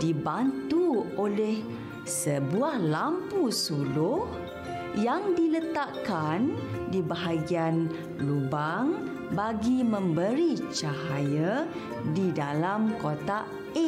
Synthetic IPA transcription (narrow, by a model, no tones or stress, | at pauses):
dibant̪uolɛh | səbuahlampusulʊh | jaŋdilət̪aʔkandibaɦaɡian | lubaŋ | baɡimə̃mbəɾit͡ʃaɦaja | didalamkot̪a | e